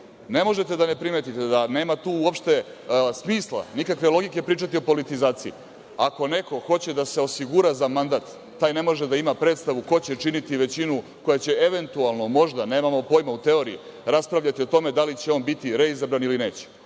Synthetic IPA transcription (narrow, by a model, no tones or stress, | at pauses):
ne̞mo̞ʒet̪ed̪anepɾimet̪it̪ed̪ane̞ːmat̪uːuo̞pʃt̪e̞ | smiːslˠa̰nikakʋe̞lˠo̞ɡike̞pɾiːt͡ʂat̪io̞po̞lit̪izaːt̪sii | ako̞ne̞ko̞xo̞t͡ɕe̞d̪ase̞o̞siɡuɾazamand̪at̪ː | aːjne̞mo̞ʒed̪aimapɾe̞t̪st̪aʋuko̞t͡ɕe̞t͡ʂinit̪iʋe̞t͡ɕinuko̞jat͡ɕe̞eʋe̞nt̪ualˠno̞mo̞ʒd̪ane̞ːmamo̞po̞jmaut̪e̞o̞ɾii | ɾaspɾaʋʎat̪io̞t̪o̞me̞d̪alit͡ɕeo̞ːnbit̪iɾe̞izabɾaniline̞ːt͡ɕe̥